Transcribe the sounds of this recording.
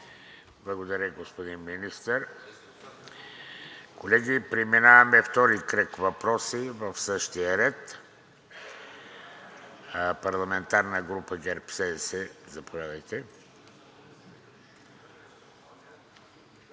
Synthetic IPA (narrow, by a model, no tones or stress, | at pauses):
blˠɐɡod̪ɐɾʲəɡospod̪inminist̪əɾ | kʰolɛɡipɾiminavɐmɛft̪ɔɾikɾəkvɐpɾɔsivəfsəʃt̪iəɾɛt̪ | pɐɾlˠɐmɛnt̪aɾnəɡɾupəɡɛɾpsɛd̪ɛsɛzɐpovʲjad̪əjt̪ɛ